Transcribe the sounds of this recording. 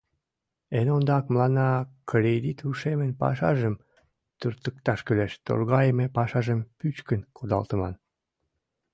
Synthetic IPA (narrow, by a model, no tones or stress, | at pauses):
enond̪ɑkmlɑnɑkɾʲed̪it̪uʃemenpɑ̰ʃɑ̰ʒəm | t̪yrt̪ək̚t̪ɑʃkyleʃt̪o̰rɣɑjəmepɑʃɑʒəmpyt͡ɕkənkʰod̪ɑlt̪əmɑn